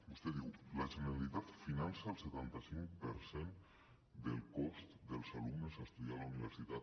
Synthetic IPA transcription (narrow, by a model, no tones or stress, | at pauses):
bust̪eðiwlaʒeneɾalit̪at̪finansaːlˠset̪ant̪asiŋkpə̰ɾsen | d̪əlˠkɔst̪d̪əlˠzalumnəzast̪uðialauniβ̞əɾsit̪at̪